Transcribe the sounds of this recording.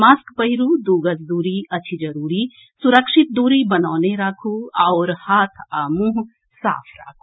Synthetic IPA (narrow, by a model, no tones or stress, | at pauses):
maːskpɐɦɪɾuːd̪uːɡəsd̪uːɾiɐːt͡ʃʰid͡ʒɐɾuːɾi | suɾəkʃɪt̪̚d̪uːɾibɐnaːneɾaːkʰuaːɾhaːt̪ʰamũɦ | sa̰ːpʰɾa̰ːkʰu̥